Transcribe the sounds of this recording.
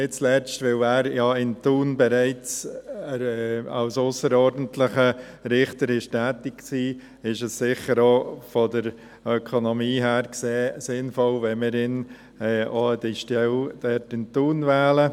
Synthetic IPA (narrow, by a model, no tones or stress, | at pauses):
ɪt͡slɛt͡ʃtʋɪlæːɾjɑɪntuːnbɛɾaɪt͡s | ɛa̰ʊsʊsəɾɔɾdən̩tlɪχə | ɾɪχtəɾɪʃtæːtɪkksiː | ɪʃəsːɪχəɾofɔdəɾ | œkʰonomiːɦæːɾkseːsɪnfɔlvɛnmɪɾɪn | ɛːoədiʃtɛld̥ɛtɪntuːnvɛːlə